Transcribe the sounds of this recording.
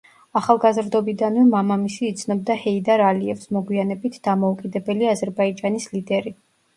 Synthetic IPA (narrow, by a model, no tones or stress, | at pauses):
aχalˠɡazɾd̪ɔbid̪anvɛmamamisiːt̪sʰnɔb̚d̪ahɛid̪aɾaliɛfsmɔɡwianɛbit̪ʰd̪̥amɔukʼid̪ɛbɛliazɛɾbaid͡ʒanislid̪ɛɾi